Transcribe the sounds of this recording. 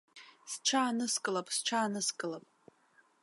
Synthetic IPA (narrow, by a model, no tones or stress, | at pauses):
sʈ͡ʂʰaːnɨskʼɨlapʼsʈ͡ʂʷʰaːnɨskʼɨlapʼ